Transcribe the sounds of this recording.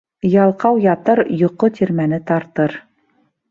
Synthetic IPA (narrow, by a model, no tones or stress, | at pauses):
jɑlˠqɑwjɑt̪ɤɾjŏqːot̪ʰiɾmænɘt̪ɑɾt̪ɤɾ